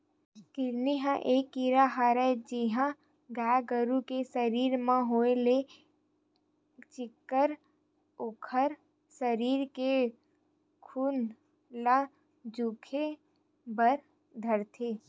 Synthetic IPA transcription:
kɪɾniɦãʔeːkːiɾaɦaːɾɛd͡ʒɪɦã | ɡaːɡəɾukesəɾiːɾmãɦoːele | t͡ʃɪkːəɾ | okʰəɾ | səɾiːɾke | kʰuːn | la | d͡ʒuːkʰe | bəɾ | d̪ʱəɾt̪ʰeː

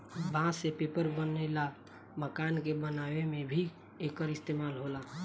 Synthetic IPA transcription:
bãsepepəɾbənəɪla | məkankebənabemebʱi | ekəɾist̪emalɦola

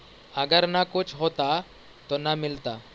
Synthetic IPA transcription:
əɡəɾnakut͡sɦot̪a | t̪ɔnamilt̪a

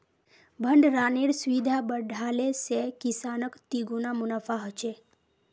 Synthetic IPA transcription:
bʱəɳɖɾaneɽsʋid̪ʱabəɖʱalesekisanəkt̪iɡunamunafaɦət͡ɕe

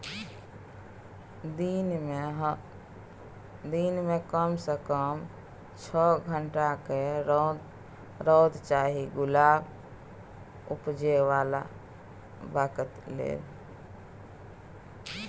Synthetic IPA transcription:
ɦ | d̪inmekəmsəkəm | t͡ʃʰəɡʱəɳʈake | ɾɔd̪t͡ʃaɦiɡulab | upd͡ʒeʋala̰ | bakət̪lḛl

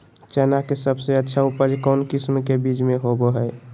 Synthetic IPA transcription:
t͡ʃɛnakesəbseətːʃʰaupəd͡ʒkɔnkismkebid͡ʒmeɦoboɦəj

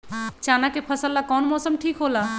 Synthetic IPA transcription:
t͡ʃanakepʰəsəlːakɔnmɔsəmʈʰikɦola

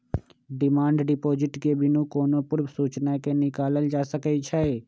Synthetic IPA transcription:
ɖɪmãːɳɖɖɪpoːd͡ʒɪʈkebɪnũkoːnopʊɾbsuːt͡ʃnakenɪkaːləld͡ʒaːsəkəit͡ʃʰɛ

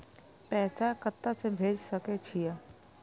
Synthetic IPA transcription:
pɛːsakət̪ːasebʱeːd͡ʒsəket͡ʃʰija

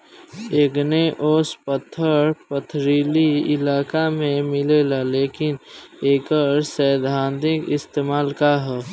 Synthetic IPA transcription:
eːɡneʔoːspət̪ʰːəɾpət̪ʰɾiːliɪ̰laːkamẽmɪlelaleːkɪneːkəɾsəd̪ʱaːnt̪ɪkɪst̪eːmaːlkaɦɛː

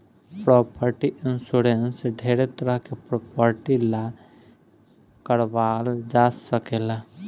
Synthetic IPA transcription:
pɾɔːpəɾʈiʔɪnsuɾensɖʱeːɾet̪əɾəɦkepɾɔpəɾʈila | kəɾʋald͡ʒasəkeːla

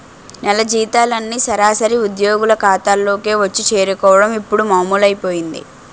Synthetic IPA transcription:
nɛlɐd͡ʒiːt̪aːlɐnːisɐɾaːsɐɾiud̪jo̞ːɡulɐkaːt̪aːlːo̞ːkeːʋɐt͡ʃːit͡ʃe̞ːɾukɔːʋɐɽɐmipːuɽumaːmuːlɐjpo̞ːjind̪ḭ

